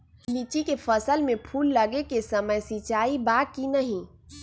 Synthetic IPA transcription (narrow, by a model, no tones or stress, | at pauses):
liːt͡ʃikefəsəlmẽpʰuːlːəɡekesəməjsit͡ʃaːibaːkinɐɦĩː